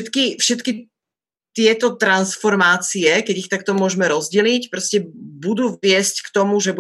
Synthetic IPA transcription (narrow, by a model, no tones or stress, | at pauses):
ɛt̪kifʃɛt̪ki | t̪ɪɛt̪ɔt̪ɾansfɔɾmaːt͡siɛkɛɟixt̪akt̪ɔmʊɔʒmɛɾɔzɟɛlicpɾɔscɛbud̪uːʋɪɛsckt̪ɔmuʒɛbu